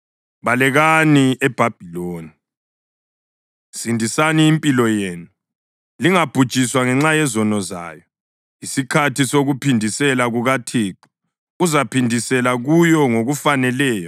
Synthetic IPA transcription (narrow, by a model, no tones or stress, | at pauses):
βalɛɣaniɛb̥ʱab̥ʱiloːni | sindʱisaniːmpʼilɔjeːnu | liŋab̥ʱud̥t͡ʃʼiswaŋɛŋ͡ǁajɛzɔnɔza̰ːjɔ | isikʰatʰisoɣupʰindʱisɛlaɣuɣatʰeːǃi | uzapʰindʱisɛlaɣujɔŋoɣufanɛlɛːjɔ